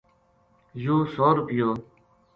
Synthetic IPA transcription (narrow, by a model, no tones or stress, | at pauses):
juːsoːɾʊpɪjoː